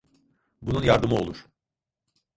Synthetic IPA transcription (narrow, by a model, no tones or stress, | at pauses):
bununjaɾd̪ɯmɯo̞̰lˠuɾ̥